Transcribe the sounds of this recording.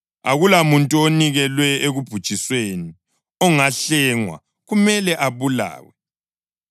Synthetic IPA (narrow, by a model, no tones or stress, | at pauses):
a̰ɣulamuntʼuoniɣɛlwɛeɣub̥ʱud̥ʒ̥ʱisweni | ɔŋaɬɛŋwa̰ | ɣumɛlɛʔaβula̰ːwɛ